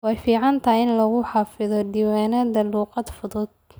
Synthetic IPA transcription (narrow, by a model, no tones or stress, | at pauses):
wɑɑjfiːʕɑnt̪ʰɐjɪnlɐɣʊħɑːfɪðɔd̪iwaːnɐðɐluːqɑd̪fʊðʊd̪̚